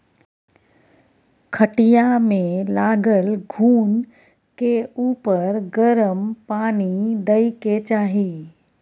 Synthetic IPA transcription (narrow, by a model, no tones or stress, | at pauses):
kʰəʈijamẽlaːɡəlɡʱuːn | keuːpəɾɡəɾəmpaːnid̪ɐiket͡ʃaːɦi